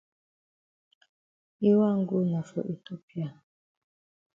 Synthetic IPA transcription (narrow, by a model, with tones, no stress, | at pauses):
i˦wa˦˨ŋ˦ɡu˦na˨fɔ̰˨ʔi˨to˦pja˦˨